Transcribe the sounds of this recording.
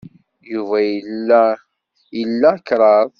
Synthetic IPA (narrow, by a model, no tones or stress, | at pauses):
juvæj | jəlːækɾˤɑðˤ